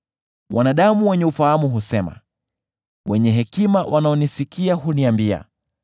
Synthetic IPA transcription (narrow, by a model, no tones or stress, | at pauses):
wʔanaɗamuwɛɲɛufahamuɦusɛma̰ | wɛɲɛɦɛkimawʔanaɔnisikiahuniambia̰